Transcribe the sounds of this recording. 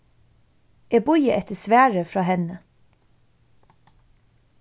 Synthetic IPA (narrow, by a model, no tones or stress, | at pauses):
eːbʊʏəʔɛt̪əsʋæːɹəfɹɑːhɛnə